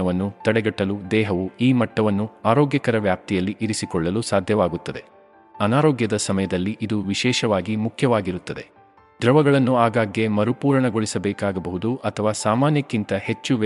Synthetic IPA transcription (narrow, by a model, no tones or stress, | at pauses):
ɐʋɐnːut̪ɐɽɛɡɐʈːɐlud̪ɛːɦɐʋuiːmɐʈːɐʋɐnːuaːɾoːɡjɐkɐɾɐʋjaːp̚t̪ijɐlːiʔiɾisikɔɭːɐlusaːd̪ʱjɐʋaːɡut̪ːɐd̪e̞ | ɐnaːɾoːɡjɐd̪ɐsɐmɐjɐd̪ɐlːiʔid̪uʋiʃɛːʃɐʋaːɡimukʰjɐʋaːɡiɾut̪ːɐd̪e̞̰ | d̪ɾɐʋɐɡɐɭɐnːuaːɡaːɡjemɐɾupuːɾɐɳɐɡoɭisɐbɛːkaːɡɐbɐɦud̪uʔɐt̪ʰɐʋaːsaːmaːnjɐkːint̪ɐhe̞t͡ʃːuʋ